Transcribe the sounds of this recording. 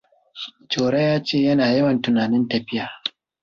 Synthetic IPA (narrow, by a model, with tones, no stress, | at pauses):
t͡ʃoː˨ɽɐ˦jaː˦t͡ʃeː˦˨jɐ˦naː˨jɐ˦wɐ˨ntʊ˨naː˨nɪ˦ntɐ˨ɸɪ˦jaː˨